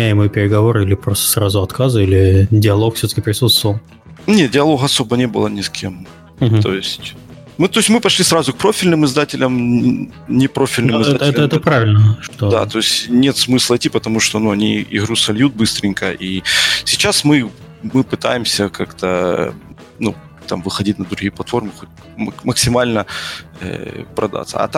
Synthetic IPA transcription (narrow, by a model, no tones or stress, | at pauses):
æjɪmɨjpʲɪɾʲɪɡɐvo̞ɾilʲɪpɾost̪ə̥sɾazʊɐt̪kazɨilʲɪdʲɪɐlˠokfsʲot̪ə̥kʲɪpɾʲɪsut̪st̪vəvəlˠ | nʲet̪̚dʲɪɐlˠo̞ɣɐso̞bənʲebɨlˠənʲɪskʲʰḛm̩ | o̞̰jɪsʲtʲ | mɨt̪oɪsʲtʲmɨpɐʂlʲisɾazʊk̚pɾo̞fʲɪlʲnɨmɨzd̪atʲɪlʲəm | nʲɪpɾo̞fʲɪlʲnɨmmɨzdɛat̪ɛt̪ɛt̪əpɾavʲɪlʲnəʂt̪od̪a̰t̪o̞ɪsʲtʲnʲe̞t̪smɨslˠɐɪtʲːipət̪ɐmuʂt̪onuɐnʲiɪ̰ɣɾusɐlʲjut̪̚bɨst̪ɾʲɪnʲkəʔisʲɪt͡ɕasmɨ | mɨpɨt̪a̰jɪmsʲəkʰakt̪ə | nu | t̪amvɨxɐdʲit̚ʲnəd̪ɾʊɣʲijəplˠɐt̪fo̞rmɨxot̚ʲ | mməksʲɪmalʲnəə̰pɾɐd̪a̰t̪sːə̰ɐ̰t̪a